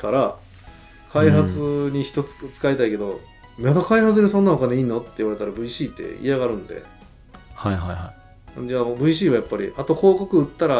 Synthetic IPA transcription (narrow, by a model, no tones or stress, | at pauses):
kaɾa | kʰaiɦat͡sɨɲ̟içi̥t̪o̞t͡sɨ̥t͡sɨ̥kait̪aike̞d̪o̞ | mad̪okaihat͡s̬ɨɾʲesonːaokaneiːnːo̞t̪ːe̞iβaɾe̞t̪aɾabɯ̟iɕiːt̪ːe̞̰ḭaɣaɾɯ̟̃nd̪e̞̰ | haɦajɦaj | d͡ʑaːmbɯ̟iɕ̬iːβajapːaɾʲḭʔat̪o̞kʰo̞ːkokɯ̟ɯt̪ːaɾa